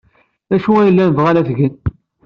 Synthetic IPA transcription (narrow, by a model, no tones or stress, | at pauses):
æʃuæjəlːænvʁælæθɡən